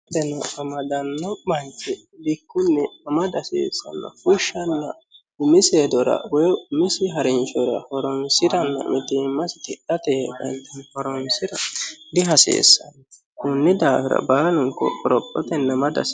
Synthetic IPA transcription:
t̪ɛnɐːmɐd̪ɐnːɔbɐnt͡ʃɛ | bɪkːʊnːɛɐmɐd̪ɐsḛːsːɐ̰nːɐ̰kʊʃːɐnːɐ | ɪmɪseːd̪ɔɾɐ̰wɔjmɪsɪɦɐɾɪnt͡ʃɔɾɐhɔɾɔnsɪɾɐnːɐ̰mʔɪt̪iːmːɐsɪt̪ɪʔɐt̪ɛkɐ̰nt̪ɐnfɔɾɔnsɪɾɐd̪ɪɦɐsḛːsːɐnːɐ | kʊnːɪd̪aːfɪɾɐ̰baːlʊŋkːɔ̰ʔɔɾɔpʼːɔt̪ɛnːɐmɐd̪ɐ̰s

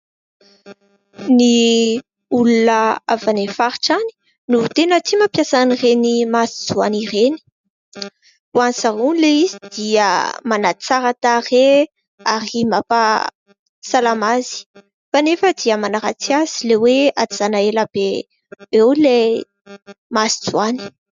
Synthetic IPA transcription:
ni | ulunəavanefaɾiʈ͡ʂani̥ | nut̪enət̪imapjasaanirenimasi̥z̥uanireni̥ | uansaɦunleizid̪̥iəmanat͡saɾat̪are | aɾimapa | salamazi̥ | fanefəd̪iəmanaɾat͡siaz̥ilewead̪izanaeləb̥e | ewle | masi̥d͡zuani̥

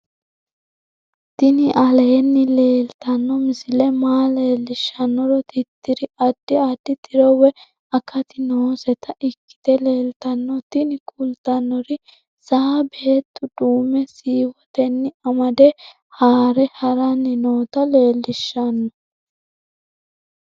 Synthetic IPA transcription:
t̪ɪnɪʔɐleːnːɪle̞ːlt̪ɐnːɔmɪsɪlɛmaːle̞ːlːɪʃːɐnːɔɾɔt̪ɪt̪ːɪɾɪɐd̪̥ːɪɐd̪ːɪt̪ɪɾɔwɛ | ɐkːɐt̪ɪnoːsɛt̪ɐʔɪkːɪ̥t̪ɛle̞ːlt̪ɐnːɔt̪ɪnɪkʰʼʊlt̪ɐnːɔɾɪ | saːbe̞ːt̪ːʊd̪uːmɛsiːwɔt̪ɛnːɪɐmɐd̪ɛ | haːɾɛhɐɾɐnːɪnoːt̪ɐle̞ːlːɪʃːɐnːɔ

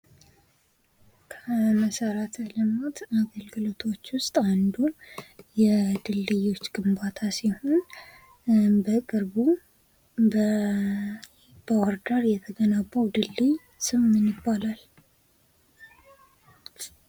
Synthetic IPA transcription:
kʰəməsəɾat̪ʰləmot̪aɡəlɡɨlot̪ʰo̞t͡ʃːwʊst̪ʼand̪ujɛd̪ɨlːɨjo̞t͡ʃːɡɨmbat̪ʰasiho̞n | bəkʼɨɾbu | b̥əwaɾd̪aɾjɛt̪ʰəɡənabːəwd̪ɨlːɨj | sɨmːɨnjɪbːalal

